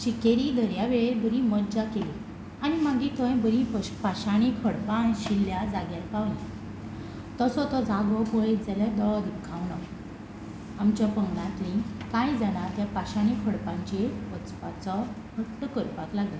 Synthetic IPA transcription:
ɕikeɾiːd̪ʱəɾjaʋeɭebəɾĩməd͡ʑakeli | añimaɡit̪ə̃jbəɾĩpaɕaɽ̃ikʰəɽpanɕilːjad͡zaɡjaɾkaʋnĩ | t̪əsɔt̪ɔd͡zaɡɔpəjed͡zalad̪ɔɭɔd̪ipkʰãʋna | amt͡ɕapəŋɡnãt̪ɾĩkãjd͡zanat̪japaɕaɽ̃ikʰəɽpãɲt͡ɕeət͡spat͡sɔ | həʈːəkəɾpaklaɡli

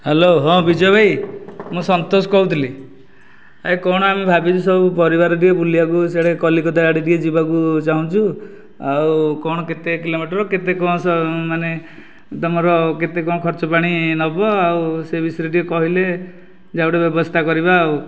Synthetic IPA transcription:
heloɦɔ̃bid͡ʒɔbʱajmũsɔnt̪osɔ̥kɔɦũt̪ʰili | ajkɔɽ̃ɔamibʱabid͡ʒusɔbupɔɾibaɾɔʈ̬iebulijak̬useɽekɔlikɔd̪aaɽiʈied͡ʒibakut͡ʃaɦũt͡ʃʰu | awkɔɽ̃ɔket̪ekilomiʈɔɾɔket̪ekɔ̃sɔmane | t̪ɔmɔɾɔket̪ekɔ̃kʰɔɾt͡ʃɔpaɽ̃inɔbɔawsebʱisɔɾiʈiekɔɦile | d͡ʒauʈebjɔbɔst̪ʰakɔɾibaːw

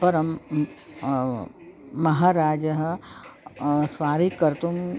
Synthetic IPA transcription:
pɐɾɐm | ɐɦaːɾaːd͡ʒəɦ | sʋaːɾikːɐɾt̪um

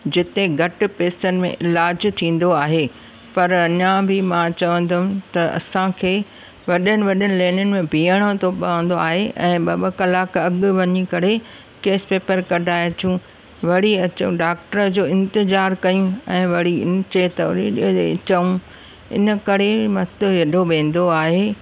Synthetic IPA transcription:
d͡ʑɪt̪eɡʱɐʈɪ̆peːsənɪ̆mḛ̃ʔɪlaːd͡ʑt̪ʰĩːn̆d̪oaːɦeː | pɐɾɐɲãbɪmãt͡ɕɐʋə̃nd̪ʊm̆t̪ɐɐ̰sãkʰeː | ʋɐɗənɪ̆ʋɐɗənɪ̆leːnənɪ̆mẽbʱiːəɽ̃ot̪ʰopɐʋə̃n̆d̪oaːɦeʔɛ̰̃ːbaːbakɐlaːkɐɡʋɐɲikɐɾe | keːspeːpəɾkɐɖʱaːjt̪ʰjũ | ʋɐɽiɐt͡ɕə̃ɖaːk̚ʈəɾəd͡ʑoːɪ̃nt̪ɪzaːɾkɐjũɛ̃ːʋɐɽiɪnt͡ɕet̪ɐɾiiḛɪ̰t͡ɕəũ | ɪ̰nə̆kɐɾemɐt̪jɐɗoʋẽːn̆d̪oaːɦeː

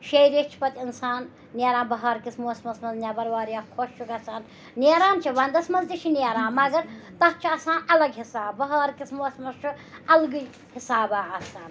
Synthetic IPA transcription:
ʃejɾet͡ʃʰi̥pɐt̪insaːnːʲ | eːɾãːnbɐɦaːɾkismoːsmɐsmɐznʲɐbɐɾʋaːɾjaːkʰoʃt͡ʃʰukɐsaːn | neːɾaːnt͡ʃʰiʋɐnd̪ɐsmɐzd̪iʃʰineːɾãːmɐɡɐɾt̪ɐt̪̚t͡ʃʰiɐsaːnɐlɐɡɦisaːbbɐɦaːɾkismoːsmɐst͡ʃʰuɐlɡuj | hisaːbaːɐsaːn

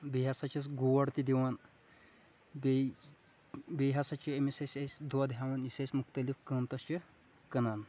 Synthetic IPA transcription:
beɦɐsɐt͡ʃʰɐsɡuwɐɽt̪id̪iwɐn | b | beɦɐsɐt͡ʃʰiemisɐsʲesʲd̪wɐd̪ɦawɐnisɐsʲmuxt̪ɐlifkɐːmt̪ɐst͡ʃʰɨ | kɐnan

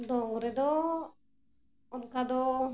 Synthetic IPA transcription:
d̪ɔŋɾɛd̪ɔ | ɔnkad̪ɔ

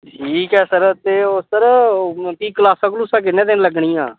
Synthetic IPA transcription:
ʈʰiːkɛːsəɾt̪eːoəɾt̪iːkəlaːsãːklusãːk̬ɪnːẽːt̪enləɡɳiːãː

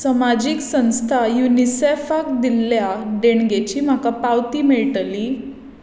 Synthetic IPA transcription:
səmad͡ʑiːksə̃w̃st̪ʰajunisefak̚d̪ilːjaɖeɳɡet͡ɕiːm̤akapawt̪iːmeɭʈli

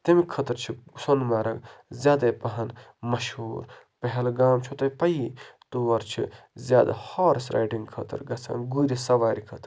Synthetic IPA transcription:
t̪ɐmikʰɐt̪ɐɾt͡ʃʰisonmaːɾɐɡzʲjaːd̪ɐpɐɦɐn | mɐʃuːɾ | pɐɦɛlɡaːmt͡ʃʰut̪ɐjpɐjit̪uʋɐɾt͡ʃʰizʲjaːd̪a̰haːɾsɾa̰ːjɖiŋɡkʰɐ̰t̪ɐ̰ɾɡɐt͡sʰã̰ːnɡuɾisɐʋaːɾikʰɐt̪ɾ

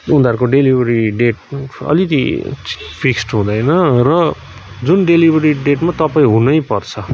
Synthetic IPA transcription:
und̪aɾkoɖelibʱʌɾiɖeʈ̚ʌ̰lit̪i | pʰiksʈɦũd̪ʌjnʌrʌ | d͡zunɖelibʱʌɾiɖeʈmat̪ʌpaĩɦunʌjpʌrt͡sʰʌ

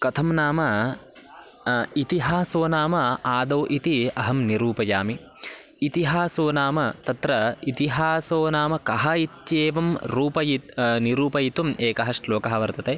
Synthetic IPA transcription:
kɐt̪ʰɐmnaːmɐ | it̪iɦaːsoːnaːmɐaːd̪ɐːʔit̪iɐɦɐmniɾuːpɐjaːmiː | t̪iɦaːsoːnaːmɐt̪ɐt̪ɾɐit̪iɦaːsoːnaːmɐkɐɦɐit̪jeːʋɐmɾuːpɐjit̪niɾuːpɐjit̪umeːkɐɦɐʂloːkɐɦɐʋɐɾt̪ɐt̪eː

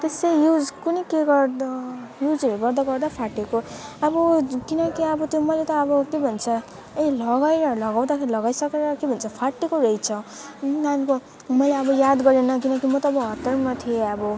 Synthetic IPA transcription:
t̪esejud͡zkunʌkeɡʌɾd̪ʌ | jud͡zʌɾoɡʌɾd̪aɡʌrd̪apʰaʈekoʌbʌkinʌkiʌbʌt̪jomʌlet̪ʌːbʌkebʱʌnt͡sʰʌ | elʌɡajɾʌlʌɡaw̃d̪akʰeɾilʌɡajsʌkeɾʌkebʱʌnt͡sʰʌpʰaʈːekoɾʌjt͡sʰʌ | anko | mʌjleʌbʌjad̪ɡʌɾenʌkinʌkimʌt̪ʌːbʌɦʌt̪ːʌrmat̪ʰieʌbʌ

